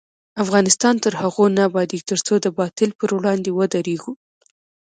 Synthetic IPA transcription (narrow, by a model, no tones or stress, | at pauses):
afɣɑnɪst̪ɑnt̪əɾhaɣonabɑd̪iɡt̪əɾt͡sod̪əbɑt̪ɪlpəɾwɽɑnd̪ewəd̪aɾeɡu